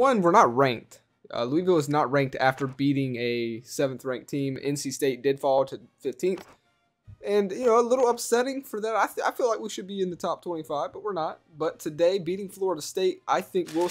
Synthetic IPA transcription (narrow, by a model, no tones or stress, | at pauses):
wʌ̃nwəɹnət̚ɹæ̃ŋk̚t | ʌ̰luivɪlˠəznət̚ɹæ̃ŋk̚tʰæftə˞biɾɪ̃ŋɨsɛvn̩θɹæ̃ŋk̚tʰĩmɛ̰̃nsisteɪt̚d̥ɨd̥fɔlˠɾɨfɪftʰĩnθ | ɨ̃njɨnoʊəlɪɾl̩ˠʌpsɛɾɪ̃ŋfə˞ðæɾaɪa̰ɪfilaɪk̚wiʃɨd̚biɨ̃nðɨtʰɑp̚tʰw̥ɛ̃ñifaɪvb̥ʌt̚wəɹnət̚b̥ʌtʰɨdeɪbiɾɪ̃ŋflɔɹəɾəsteɪɾʔaɪθɪ̃ŋkwɪlˠ